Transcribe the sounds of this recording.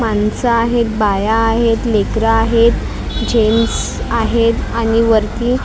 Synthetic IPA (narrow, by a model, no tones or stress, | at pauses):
mansaːɦet̪̚bajaːɦet̪lekɾaaɦet̪ | d͡ʑems | aɦet̪añiʋəɾt̪iː